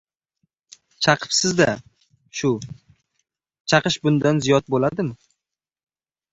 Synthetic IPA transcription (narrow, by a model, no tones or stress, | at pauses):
t͡ʃʰɑqʰɨ̥psɪzd̪a | ʃʊ | t͡ʃʰɑqɨʃbʊnd̪anzijɒt̪̚bolad̪ɪmɪ